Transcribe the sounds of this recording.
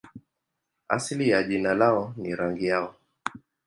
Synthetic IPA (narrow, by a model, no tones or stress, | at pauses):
a̰silijaʄinalaɔniɾaŋɡijaɔ